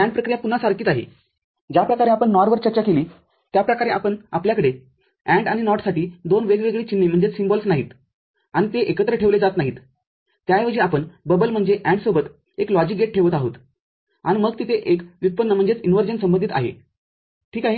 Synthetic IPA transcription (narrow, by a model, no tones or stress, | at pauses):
æ̃ɳɖpɾəkɾijapun̤asaɾkiːt̪aɦḛ | d͡ʑjapɾəkaɾeapəɳːɔɾʋəɾt͡ɕəɾt͡ɕakeliː | t̪japɾəkaɾea̰pəɳa̰pljakəɽe | æ̃ɳɖaɽ̃inɔʈsaʈiːd̪onʋeɡʋeɡɭiːt͡ɕinːim̤əɳd͡zet͡ssimbɔlsnaɦḭːt̪ | aɽ̃it̪eʔekət̪ɾəʈʰeʋled͡zat̪naɦiːt̪ː | jajʋəd͡ʑiapəɳbəbəlm̤əɳd͡zeʔæ̃ɳɖsobət̪ | eklɔd͡ʑik̚ɡeʈ̚ʈʰeʋət̪aɦot̪ | aɽ̃iməɡt̪it̪eʔekjut̪̚pənːəm̤əɳd͡zet͡sinʋəɾd͡ʑənsəmbənd̪ʱit̪a̰ɦḛ | ʈʰiːkaɦe